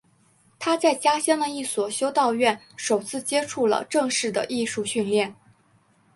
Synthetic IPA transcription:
t̪ʰa˥t͡sa˥˩ɪt͡ɕja˥ɕjɑ˥ŋd̪ə˨i˥˩swɔ˨˩ɕjo˥ʊt̪ɑ˥˧ʊɥɛ˥˩n | ʂo˨˩ʊt͡sʰɹ̩˥˩t͡ɕjɛ˥ʈ͡ʂʰu˥˩lə̰˩ʈ͡ʂɤ˥˧ŋʂɻ̩˥˩d̪ə̰˩ʔi˥˧ʂu˥˧ɕy˥˧nljɛ˥˩n

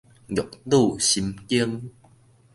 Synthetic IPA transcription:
jɔ˨˩˨k̚lu˥˨ɕi˧mki˦əŋ

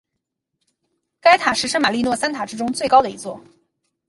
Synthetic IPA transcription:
ka˥ɪt̪ʰa˨˩ʂɻ̩˥ʂə˥ma˨˩li˥˧nwɔ˥˩sa˥nt̪ʰa˨˩ʈ͡ʂɻ̩˥ʈ͡ʂʊ˥ŋt͡swe˥˩ɪkɑ˥ʊd̪ə˨i˧˥t͡swɔ˥˩

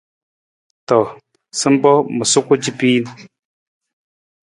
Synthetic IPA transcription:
to˨ | sɨ˦m˦bɔ˦mə˨su˦ku˦d͡ʒi˦pi˦n˨

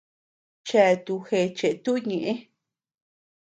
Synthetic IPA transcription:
t͡ʃe˧˨˧t̪u˧xe˧t͡ʃe˨ʔt̪u˦ɲẽ˧ʔẽ˦

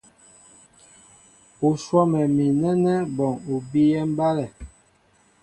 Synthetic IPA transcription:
o˨ʃwɔ˦mɛ˨mi˨nɛ˦nɛ˦bɔ˨ŋu˨bi˦jɛ˦m˦ba˦lɛ˨

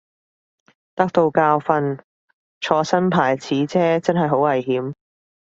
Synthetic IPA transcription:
t̪ɐ˥k̚t̪o˧wkaː˧wfɐ˧n | t͡ʃʰɔː˧sɐ˥npʰaː˨˩jt͡sʰiː˨˥t͡sʰɛː˥t͡sɐ˥nɦɐ˨jɦo˨˥wɐ˨˩jɦiː˨˥m

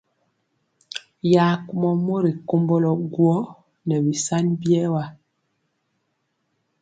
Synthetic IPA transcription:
ja˨˦ku˦mɔ˨mo˦ɾi˨ko˦mbɔ˦lɔ˨ɡwɔ˦ | nɛ˨bi˨sa˦nbjɛ˦wa˦

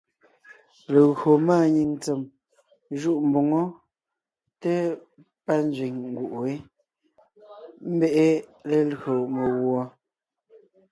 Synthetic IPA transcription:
le˨ɣɰo˨maː˦˨ɲi˨ŋn˦t͡se˨m | ʒu˦ʔm̩˨bo˨ŋɔ˦ | te˦ | pa˦n˦d͡zɥi˨ŋŋ˨ɡu˨ʔe˦ | m̩˦bɛ˦ʔe˦le˨lɰo˨me˨ɣwɔ˦

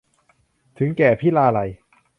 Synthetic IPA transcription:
t̪ʰɯ˩˦ŋkɛː˨˩pʰiː˥˩laː˧la˧j

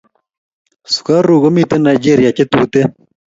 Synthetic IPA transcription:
su̥˨ka˦rɾuː˨ɣo˦mi˦t̪e˦na˨jd͡ʒeː˦ɾija˨t͡ʃe˦t̪uː˦t̪e˦

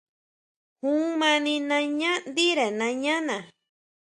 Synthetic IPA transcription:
hũ˦mã˧nĩ˧nã˧ɲã˦nd̪i˦ɾe˨nã˧ɲã˦nã˨

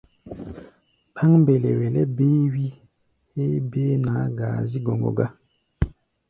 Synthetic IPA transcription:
pʰa˦ŋbɛ˨lɛ˨wɛ˨lɛ˦beː˦wi˦ | he˦be˦na˨˦ɡaː˨zi˦ɡɔ˨ŋɡɔ̰˨ɡa˦

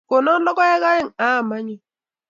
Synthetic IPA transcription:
ko˨nɔ˦lɔ˦kɔ˦ɛ˦ɣa˦je˦ŋa˦˨ma˦ɲi˨

